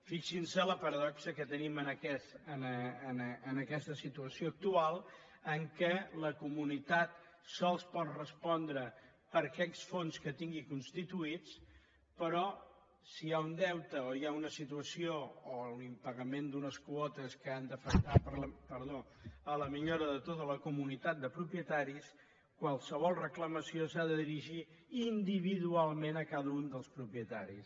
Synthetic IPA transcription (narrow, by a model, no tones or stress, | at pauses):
fiksinsələpəɾəðɔksəkət̪ənimənəkɛsənəːnːnəkɛst̪əsit̪uəsioək̚t̪ualˠ | əŋkələkumunit̪at̪̚sɔlˠspɔt̪rəspɔnd̪ɾə | pəɾkɛksfonskət̪iŋɡikunst̪it̪uit͡s | pəɾɔ | siaund̪ɛwt̪əojaunəsit̪uəsioːunimpəɣəmend̪unəskwɔt̪əskəand̪əfək̚t̪apəɾəpəɾðo | ələmiʎoɾəðət̪ot̪ələkumunit̪at̪̚d̪əpɾupiət̪aɾis | kwalˠsəβ̞ɔlˠrəkləməsiosaðəðiɾiʒiː | nd̪iβ̞iðualˠmenəkaðəund̪əlˠspɾupiət̪a̰ɾḭs